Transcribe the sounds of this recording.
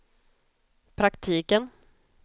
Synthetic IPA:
pʰɾakt̪ʰiːkən

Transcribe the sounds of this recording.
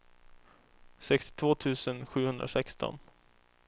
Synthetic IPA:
sɛkst̪ɪ̥t̪ʰvoːt̪ʰʉ̟ːsənɧʉ̟ːhɵnd̪ɾa̰sɛkst̪ɔ̰n

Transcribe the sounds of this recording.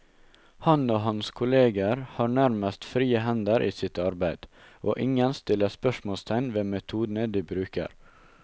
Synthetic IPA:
hɑnoːɦɑnskʰʊleːɡəɾhɑːɳæɾməst̪fɾiːəɦɛnd̪əɾʔiːsɪt̪ɑɾbæɪd̪̥ | ʔoːʔɪŋənst̪ɪlːəspœʃmoːlst̪ʰæɪnʋeːmɛt̪ʰuːd̪n̩əd̪iːbɾʉːkə̰ɾ

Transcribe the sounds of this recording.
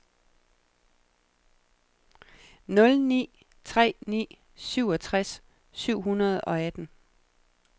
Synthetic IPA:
nɔ̽lnḭː | t͡sʰʁɛ̰ːnḭː | syʊ̰ɒ̽t͡sʰʁas | syʊ̰ɦunɐð̞̩ˠɒ̽æd̥n̩

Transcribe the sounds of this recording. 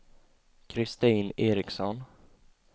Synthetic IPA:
kʰɾɪst̪iːneːɾɪksɔn

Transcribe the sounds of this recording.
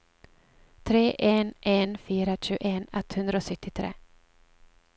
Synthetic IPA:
t̪ʰɾeːʔenʔenfyːɾaɕʉ̟ːeːnɛt̪ːhɵnd̪ɾaɔsʏt̪ːɪt̪ʰɾḛː

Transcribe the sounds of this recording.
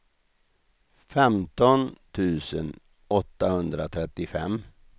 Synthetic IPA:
fɛmt̪ɔnt̪ʰʉ̟ːsən | ɔt̪ːahɵnd̪ɾat̪ʰɾɛt̪ːɪfɛmː

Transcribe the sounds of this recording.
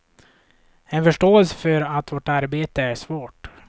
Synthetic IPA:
ɛnfœʂʈoːɛlsə̥fœɾat̪voʈaɾbeːt̪əæʂvoːʈ

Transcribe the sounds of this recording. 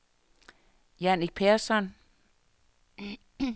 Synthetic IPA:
jæniɡ̥̚pʰeɐsɒn

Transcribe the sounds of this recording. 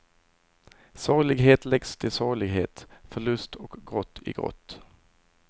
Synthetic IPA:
sɑːlɪɡɦeːt̪lɛɡst̪ʰɪlsɑːɭɪɡɦeːt̪fœɭɵst̪ʰɔkɡɾɔt̪ʰːɪ̰ɡɾɔ̰t̪ː

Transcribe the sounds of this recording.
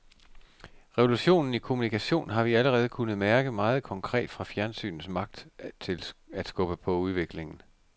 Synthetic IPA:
ʁɛʋo̝luɕo̝̰ːnn̩ikʰo̝munikʰæɕo̝̰ːnɦɑ̈ʋiæləʁɛːð̞ˠkʰunð̞̩ˠmæɐɡ̥əmɑ̈ːð̞̩ˠkʰɒ̽ŋkʰʁɛ̰ːd̥fʁɑ̈fjæɐnsy̰ːnn̩smɑ̈ɡ̥̚d̥t͡sʰe̝læd̥sɡ̥ɔ̽b̥əpʰɒ̽uð̞ˠʋe̝ɡ̥le̝ŋn̩

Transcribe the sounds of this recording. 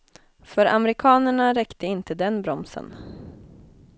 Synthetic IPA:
fœɾʔa̰mɛɾɪkʰɑːnəɳaɾɛkt̪əɪnt̪əd̪ɛnbɾɔmsə̰n

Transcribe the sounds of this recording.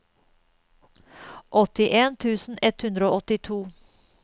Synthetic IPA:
ʔɔt̪ɪʔeːnt̪ʰʉːsn̩ɛt̪hʉnd̪ɾəoːʔɔt̪ɪt̪ʰuː

